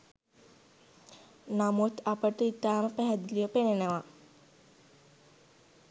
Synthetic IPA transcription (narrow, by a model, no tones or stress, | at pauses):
namot̪apəʈəit̪aːməpæɦæd̪ilijəpenenəʋa